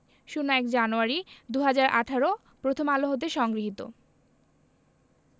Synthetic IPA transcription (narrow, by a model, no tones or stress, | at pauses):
ʃunoɛkd͡ʑanuaɾid̪uɦad͡ʑaɾʔa̰ʈʰaɾo | pɾot̪ʰomaloɦot̪̬eʃɔŋɡɾiɦit̪o̰